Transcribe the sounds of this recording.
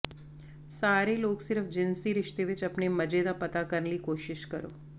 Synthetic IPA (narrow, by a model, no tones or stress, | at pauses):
saːɾeloːksɪɾəfd͡ʒɪnsiɾɪʃt̪eʋɪt͡ʃəpneməd͡ʒed̪apət̪akəɾnlikoːʃɪʃkəɾo̰ː